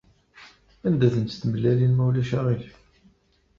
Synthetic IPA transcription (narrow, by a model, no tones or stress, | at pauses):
ænd̪æθənt̪θməlːælinmæwlæʃæʁiç